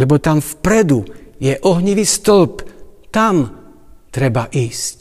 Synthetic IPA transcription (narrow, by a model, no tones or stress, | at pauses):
lɛbɔt̪amfpɾɛd̪ujɛʔɔɦɲiʋiːst̪ɔlpt̪am | t̪ɾɛbaʔiːsc